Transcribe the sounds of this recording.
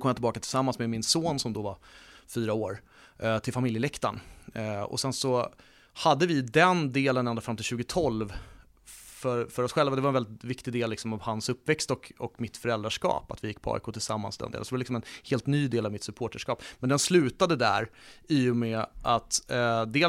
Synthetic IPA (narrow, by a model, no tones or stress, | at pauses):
kɔmjat̪ɪlbɑːkat̪ʰɪlsamːansmɛmɪnsoːnsɔmd̪ɔvaɾfyːɾaoːɾ | t̪ʰɪlfamɪljəlɛkt̪an | ɔ̰sɛnsɔ | had̪ːəvɪd̪ɛnd̪eːlənɛnɾafɾamt̪ɪɕʉ̟ːɡət̪ʰɔlv | fœɾfœɾɔsɧɛlvad̪ɛvaɾɛnvɛlɪt̪vɪkt̪ɪd̪eːlːɪksɔmavhansɵpːvɛkst̪ɔkɔkmɪt̪fœɾɛld̪ɾaʂkɑ̰ːpat̪vɪjɪkːpʰɔɑ̰ːɪkʰoːt̪ʰɪlsamːa̰nsd̪ɛ̰nḛːsd̪ɛvɾlɪksɔmɛnheːlt̪nyːd̪eːlavmɪt̪sɵpʰoːʈaʂkɑːpmɛnd̪ɛnslʉ̟ːt̪ad̪əd̪æ̰ɾiːjʊmɛʔat̪d̪eː